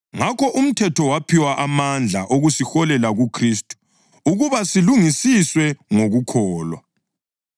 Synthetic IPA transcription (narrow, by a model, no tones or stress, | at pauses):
ŋakɔʔum̩tʰɛtʰɔwapʰiwaʔamand͡ɮʱa̰ʔoɣusixɔlɛlaɣukʰristʼu̥ | uɣuβasiluŋisiswɛŋoɣukʰɔːlwa̰